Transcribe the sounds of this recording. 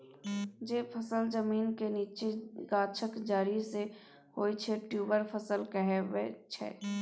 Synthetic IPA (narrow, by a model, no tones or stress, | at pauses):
d͡ʒeːpʰəsəld͡ʒəmiːnkeniːt͡ʃeɡaːt͡ʃʰəkd͡ʒaːɾise | hoːit͡ʃʰeʈjuːbəɾpʰəsəlkəɦewet͡ʃʰɛ̰ː